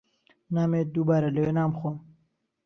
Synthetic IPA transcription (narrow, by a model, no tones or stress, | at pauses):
naːmed̪ubaːɾaləwenaːmxoːm